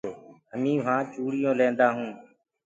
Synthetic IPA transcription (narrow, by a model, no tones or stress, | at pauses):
oːəmĩːʋ̤ãːt͡ʃuːɽɪjõːlẽːnd̪aːɦũː